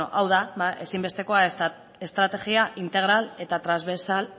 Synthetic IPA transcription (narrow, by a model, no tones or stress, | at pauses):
oʔawðabaʔesimbe̞st̪e̞ko̞a | e̞st̪ɾat̪e̞ɣiaʔint̪e̞ɣ̞ɾale̞t̪at̪ɾazβesal